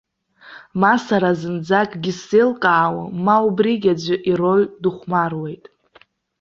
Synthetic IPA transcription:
masaɾazɨnd͡zakʼɡʲiselqʼaːwa̰maubriɡʲad͡zʷʊʔiro̞ɥduχʷmarwe̞jtʼ

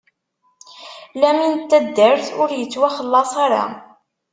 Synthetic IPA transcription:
læmint̪ːæd̪ːəɾθʊɾjət͡sːwæχəlːɑsˤɑɾɑ̰

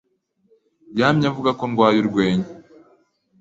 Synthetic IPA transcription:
jaːmɲavuɡakoŋɡwaːjuɾɡwe̞ːɲe

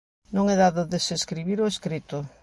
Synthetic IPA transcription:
nõŋɛðaðʊðeseskɾiβ̞iɾoeskɾit̪ʊ

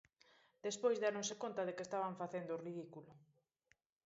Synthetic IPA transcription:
d̪espojzðeanõsekont̪ɐðekest̪aβ̞aɱfaθend̪oriðikulo

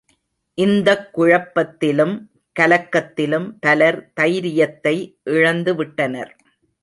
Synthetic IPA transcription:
ʔɪnd̪ɐkːʊɻɐpːɐt̪ːɪlɯm | kɐlɐkːɐt̪ːɪlɯmt̪ɐlɐɾt̪ɐjɾɪjɐt̪ːɐɪʔɪɻɐnd̪ɯʋɪʈːɐnɐ̰ɾ

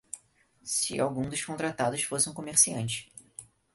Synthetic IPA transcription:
sɪ̰awɡũd̪ʊʃkõnt̪ɾat̪ad̪ʊsfosũkomeɾsiɐ̃nt͡ʃɪ̥

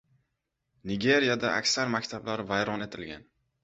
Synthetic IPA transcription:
nɪɡʲe̞ɾjad̪aʔa̰kʲsaɾmakʲt̪ʰablaɾvajɾɒnet̪ʰɪlɡʲa̰n

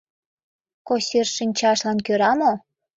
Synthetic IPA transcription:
kosʲerʃinʲt͡ɕɑʃlɑnkøɾɑmo

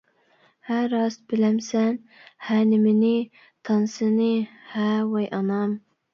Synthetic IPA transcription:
hæɾɑsbɪlæmsæn | hænɪmɪnɪ | t̪ʰɑnsɨnɪhæwɑjʔɑnɑm

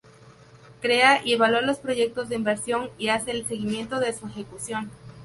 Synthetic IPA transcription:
kɾe̞aʔie̞βalwalo̞spɾo̞ʝe̞k̚t̪o̞zðeimbe̞ɾsjo̞ŋiase̞ːlseɣimje̞nt̪o̞ðe̞suexe̞kusjo̞n

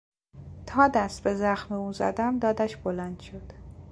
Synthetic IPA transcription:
t̪ʰɒːd̪æst̪̚be̞zæxmeuːnzæ̰d̪æmd̪ɒːd̪æʃb̥olænd̪̥ʃod̪̥

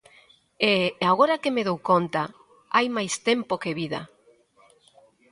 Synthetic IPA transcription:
eaɣoɾakemeðowkont̪a | ajmajst̪empokeβiða̰

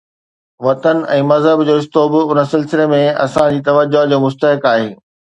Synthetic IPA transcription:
ʋɐt̪ənɛ̃ːmɐzɦəbd͡ʑoːɪst̪oːbɪʊnəsɪlsɪlemẽɐ̰sãd͡ʑiːt̪ɐʋəd͡ʑoɦd͡ʑomʊst̪əɦɪkaːɦeː

